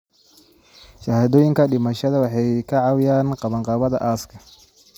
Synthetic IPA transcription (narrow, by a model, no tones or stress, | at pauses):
ʃɐhaːðɔːjɪŋkʰɐɖɪmɐʃɐðɐwɑħɑjkʰɐʕɑwjaːnqɑβɐɴqɑːβɐðɐ̰ʔaːskʰɐ